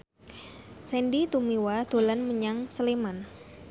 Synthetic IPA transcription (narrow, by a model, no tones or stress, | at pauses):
sɛndit̪umiwad̪̥o̤lanməɲaŋsəleman